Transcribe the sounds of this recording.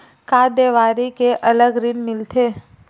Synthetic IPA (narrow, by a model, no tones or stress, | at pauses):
kaːd̪eʋaːɾikeʔɐləɡɾɪnmɪlt̪ʰeː